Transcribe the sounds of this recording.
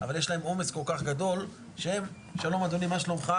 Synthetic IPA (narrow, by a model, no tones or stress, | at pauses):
avaljeʃlae̞momesko̞lkaχɡad̪o̞l | ʃeem | ʃalo̞mad̪onimaʃalomχa